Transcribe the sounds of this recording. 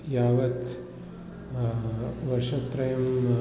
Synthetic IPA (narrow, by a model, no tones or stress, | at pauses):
jaːʋɐt̪ | ʋɐɾʂɐpːɾɐjɐm